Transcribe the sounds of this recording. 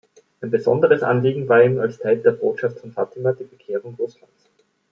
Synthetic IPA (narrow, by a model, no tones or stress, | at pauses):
ʔaɪnbəzɔ̰ndəʁəsʔa̰nliːɡŋ̩vaːɐiːmalstʰaɪldeːɐboːtʃaftfɔnfaːtɪmad̥iːɐbəkʰeːʁʊŋʁʊslans